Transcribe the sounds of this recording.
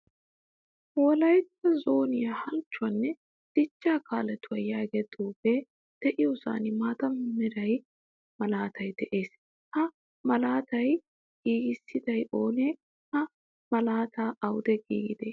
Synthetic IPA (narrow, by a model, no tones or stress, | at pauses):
wɔlɐjt̪ːɐzo̞ːnɪjɐhɐlt͡ʃːʊɐnːɛ | d̪̥ɪt͡ʃːaːkaːlɛt̪ʊwɐjaːɡɛt̪ʼuːbe | d̪̥ɛʔɪjɔsa̰ːnɪmaːt̪ɐmmɪɾɐj | mɐlaːt̪ʰɐjd̪ɛʔe̞ːs | hɐ | mɐlaːt̪ɐj | ɡ̥iːɡɪsːɪd̪ɐjʔoːneː | hɐ | mɐlaːt̪ʰaːɐwd̪ɛɡḭːɡɪd̪eː